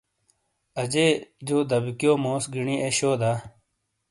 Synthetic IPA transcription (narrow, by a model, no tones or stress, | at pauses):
ɐd͡ʑeːd͡ʑoːd̪ɐbikijoːmõːsɡiɳieɕoːd̪aː